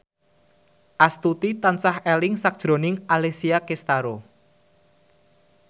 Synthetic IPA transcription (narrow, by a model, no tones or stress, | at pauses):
ʔast̪ut̪it̪ansahelɪŋsak̚d̥ʒ̥ɾo̤nɪŋalesiakest̪aɾo